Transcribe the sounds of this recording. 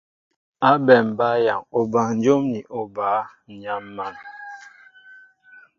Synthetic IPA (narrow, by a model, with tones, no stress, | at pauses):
a˦bɛ˨m˨ba˦ja˨ŋo˨ba˨n̩˦d͡ʒo˦mni˨ʔo˦ba˨˦˨ɲa˦mːa˦˨n